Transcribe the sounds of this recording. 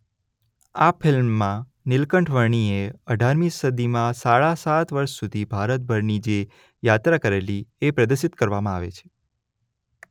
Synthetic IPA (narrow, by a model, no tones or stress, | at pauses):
afɪlmːã | nɪlkəɳʈʰʋəɾɳieəɖʱaɾmisəd̪imãsaɭasat̪ʋəɾʃsud̪ʱibʱaɾət̪̚bʱəɾnid͡ʒe | jat̪ɾakəɾeliepɾəd̪əɾsɪt̪kəɾʋamãaʋḛt͡ʃʰe̥